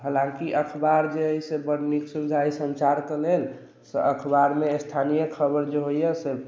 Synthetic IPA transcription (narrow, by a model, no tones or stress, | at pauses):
ɦəlãŋkiʔəkʰbaɾd͡ʒeəisebəɽniksud͡ʒʱaisənt͡ʃaɾkəlel | sḛəkʰbaɾmest̪ʰanijəkʰəbəɾd͡ʒeɦoijɛse